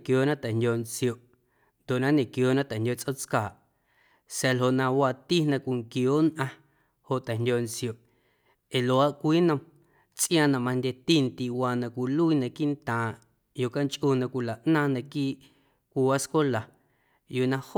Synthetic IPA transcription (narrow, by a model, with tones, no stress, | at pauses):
kjoː˨nã˦t̪ɛ˨ndʲo˧nt͡sjo˨ʔ | nd̪o˨ʔnã˦ɲẽ˨kjoː˨˦nã˦t̪ɛ˨hndʲjo˧˨t͡sʼʔo˦t͡skaː˨ʔ | sɛ˧lɦo˧˨ʔnã˧waː˧t̪i˦nã˧kʷi˧˨ŋkjoː˨˦nʔã˧ | ho˨ʔt̪ɛ˨ndʲo˧nt͡sjo˨ʔ | e˨lo˨a˦ʔkʷiː˦nə̃˧m | t͡sʼʔj̃ã˧˨nã˧mã˧ndʲe˧t̪i˦˨nt̪i˧waː˧nã˧kʷi˧˨lu˦i˧nã˧kiː˦nt̪ãː˨ | jo˧˨ka˦nt͡ʃʼʔu˧nã˧kʷi˧la˨ʔnãː˦nã˧kiː˦ʔ | kʷi˧wa˦sko˦la˨ | juː˧˨nã˧ho˦